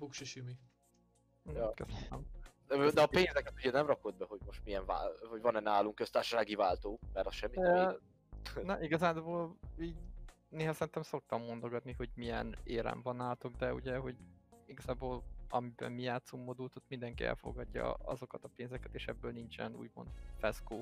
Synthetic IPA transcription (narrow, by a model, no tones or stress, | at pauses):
bukʃiʃimi | kɛsɛnɛmd̪ød̪ɛɒpeːnzɛkɛt̪uɟɛnɛmrɒko̞d̪̚bɛho̞ɟmo̞ʃt̪mijɛɱva̰hɔɟvɒnɛnaːluŋkːøst̪aːrʃɔʃaːɡivaːlt̪oːmɛɾɒʃɛmːi | nɒʔiɡɒzaːboːliːɟ | neːɦɒsɛɾint̪ɛmso̞k̚t̪ɒmːo̞nd̪o̞ɡɒt̪niɦo̞ɟmijɛ̰neːɾɛ̰ɱvɒnaːlt̪oɡd̪ɛṵɟɛɦo̞ɟiɡɒzaːboːlɒmibɛ̰mːijaːt̪somːod̪ult̪ot̪mind̪ɛŋkiʔɛ̰lfo̞̰ɡɒɟːɒ̰ɒ̰zo̞kɒt̪ɒpeːnzɛkɛt̪eːʃɛbːøːlnint͡ʃɛ̰nṵːɟmo̞̰nt̪fɛskoː